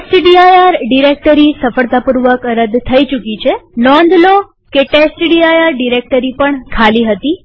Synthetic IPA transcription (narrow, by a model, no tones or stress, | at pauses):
esʈɖiajaɾɖiɾek̚ʈəɾisəfəɭt̪apuɾʋəkəɾəd̪t̪ʰəit͡ʃukit͡ʃʰenɔnd̪lo | keʈesʈɖiajaɾɖiɾek̚ʈəɾipəɳkʰaliɦət̪i